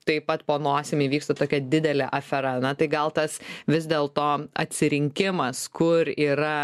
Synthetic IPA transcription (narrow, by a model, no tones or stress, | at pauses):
t̪ɐɪpɐt̪poːnoːsʲɪmʲiːʋʲiːkst̪ɐt̪oːkʲɛd̪ʲɪd̪ʲɛlʲɛʔɐfʲɛɾɐnɐt̪ɐɪɡɐlˠt̪ɐsʋʲɪzʲd̪ʲeːlˠt̪oːɐ̰t̪ʲsʲɪɾʲɪŋʲkʲɪmɐskʊɾiːɾɐ